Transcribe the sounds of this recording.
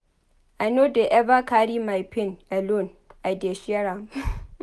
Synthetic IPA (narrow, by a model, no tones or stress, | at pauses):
ʔanodeʔɛbakaːɽiːmajpɪnʔalon | ʔadeʃɛɾa